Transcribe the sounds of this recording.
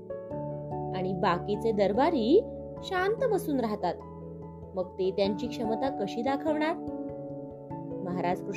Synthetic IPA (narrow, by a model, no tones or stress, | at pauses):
aɽ̃ibakit͡sed̪əɾbaɾiː | ɕant̪əməsuːnɾaɦt̪at̪ | məɡ̚t̪et̪jaɲt͡ɕiːkʂəmt̪akəɕiːd̪akʰəʋɳaɾ | məɦaɾad͡zkɾu